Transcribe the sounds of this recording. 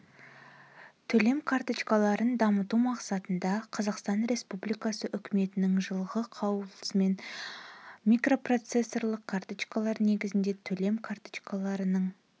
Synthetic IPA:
t̪ʰɵle̞mkʰart̪ɨt͡ʃkalˠɑɾənd̪ɑmət̪umɑqsɑt̪ənd̪ɑqʰɑzɑqst̪ɑnɾe̞spublijkɑsəʔʏkʲʰɪme̞t̪ɪnɪŋʒəlˠʁəqʰɑwlˠəsme̞n | mʲijkro̞pro̞t̪se̞sːo̞rlˠəqkʰart̪ɨt͡ʃkalˠɑɾne̞ɡʲɪzɪnd̪e̞t̪ʰɵle̞mkʰart̪ɨ̥t͡ʃkalˠɑɾənəɴ

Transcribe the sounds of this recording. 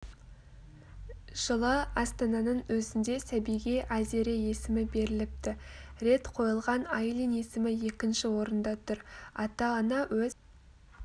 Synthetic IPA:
ʒ̥əlˠəɑst̪ɑnɑnəɴwɵzɪnd̪e̞sæbijɡʲe̞ʔæze̞ɾɪje̞sɪmɪbe̞ɾɪlɪp̚t̪ɪɾe̞t̪qʰo̞jəlˠʁɑnɑjlˠijne̞sɪmɪje̞kʲɪnʃɪwo̞ɾənd̪ɑt̪ʰʊɾɑt̪ɑːnɑwɵ

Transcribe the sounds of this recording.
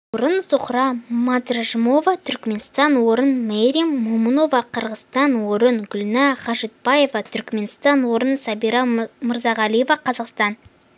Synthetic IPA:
oɾənsʊqɾɑmɑt̪rʒəmo̞vɑt̪ʰʏɾkme̞nst̪ɑnwo̞ɾənmeɾimːoməno̞vɑqʰəɾʁəst̪ɑnwoɾənɡʲʊlnɑχɑʒɪt̪̚bɑje̞vɑt̪ʰʏɾkme̞nst̪ɑnwo̞ɾənsɑbijɾɑməɾzɑʁɑlˠɨje̞vɑqʰɑzɑqst̪ɑn

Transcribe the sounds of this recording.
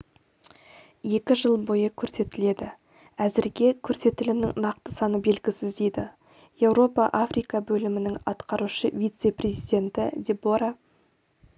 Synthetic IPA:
je̞kʲɪʒəlˠbo̞jəkʲʰɵɾse̞t̪ɪle̞d̪ɪ | æzɪɾɡʲe̞kʲʰɵɾse̞t̪ɪlɪmnɪŋnɑqt̪əsɑnəbe̞lɡʲɪsɪzd̪ejd̪ɪ | je̞wɾo̞pɑʔafrijkɑbɵlɪmɪnɪŋɑ̰t̪qɑɾuʃəvijt̪se̞prʲe̞zijd̪ʲe̞nt̪ɪd̪eboɾa

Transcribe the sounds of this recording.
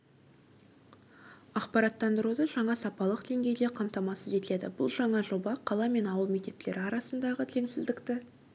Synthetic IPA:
ɑqpɑɾɑt̪ːɑnd̪əɾud̪əʒɑɴɑsɑpɑlˠəqd̪̥e̞ŋɡʲe̞jd̪e̞qʰɑmt̪ɑmɑsəze̞t̪ɪle̞d̪ɪ̰bʊ̰lˠʒɑɴɑʒo̞bɑqʰɑlˠɑme̞nɑwəlˠme̞k̚t̪e̞pt̪ɪle̞ɾɪɑɾɑsənd̪ɑʁət̪ʰleŋsɪzd̪ɪkt̪ɪ

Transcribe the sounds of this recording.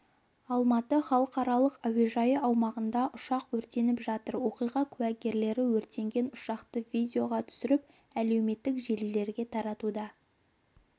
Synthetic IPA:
ɑlˠmɑt̪əχɑlˠəqɑɾɑlˠəqæwe̞ʒɑjəɑwmɑʁənd̪ɑʔʊʃɑqwɵɾt̪e̞nɪpʒɑt̪əɾwo̞qijʁɑkʲʰʉwæɡʲe̞ɾle̞ɾɪwɵɾt̪e̞ŋɡʲe̞nʊʃɑqt̪əvʲid̪ʲeo̞ʁɑt̪ʰʏ̥sɪɾɪp̚ | æle̞wme̞t̪ːɪkʒe̞lɪle̞ɾɡʲe̞t̪ʰɑɾɑt̪ud̪ɑ

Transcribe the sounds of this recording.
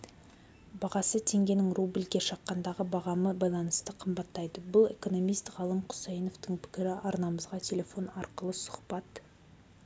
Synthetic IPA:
bɑʁɑsət̪ʰe̞ŋɡʲe̞nɪŋrublikʲeʃɑqːɑnd̪ɑʁəbɑʁɑməbɑjlˠɑnəst̪əqʰəmbɑt̪ːɑjd̪əbʊlˠeko̞no̞mijst̪ʁɑlˠəmqʰʊ̥sejno̞ft̪əɴpʰɪ̥kʲɪɾɪʔɑɾnɑməzʁɑt̪ʲʰe̞lʲe̞fo̞nɑɾqəlˠəsʊ̥χpɑt̪

